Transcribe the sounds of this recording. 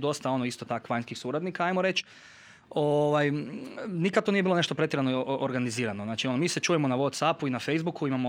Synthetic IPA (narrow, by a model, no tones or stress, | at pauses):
d̪o̞st̪ao̞noist̪ot̪akoʋaɲskixsuɾad̪nikaajmoɾe̞t͡ʃ | oʋajnikad̪t̪onijeilone̞ʃt̪o̞pɾt̪jeɾanooɾɡaniziːɾanoznaːt͡ʃio̞nomiːse̞t͡ʃuːjemonaʋot̪sapuinafejzbukuimamo